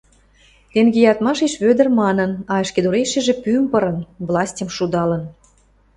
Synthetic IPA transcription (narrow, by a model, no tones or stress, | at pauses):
t̪eŋɡejɑt̪mɑʃeʃβød̪ərmɑnənɑeʃked̪uɾeʃĕʒĕpympəɾə̆nvlˠɑsʲtʲəmʃud̪ɑlə̆n